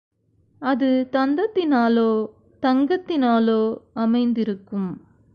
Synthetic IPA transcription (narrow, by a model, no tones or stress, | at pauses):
ɐðɯt̪ɐnd̪ɐt̪ːɪnaːloː | t̪ɐŋɡɐt̪ːɪnaːloːɐmɐɪnd̪ɪɾɯkːɯm